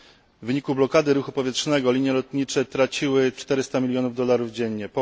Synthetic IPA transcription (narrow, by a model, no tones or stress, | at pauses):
vɘɲikublɔkad̪ɘɾuxupɔvʲjɛtʂnɛɡɔlʲiɲjɛlɔt̪ɲit͡ʂɛt̪ɾat͡ɕiwɘt͡ʂt̪ɛɾɘst̪amʲilʲjɔnuvd̪ɔlaɾuvd͡ʑɛɲːɲɛpɔ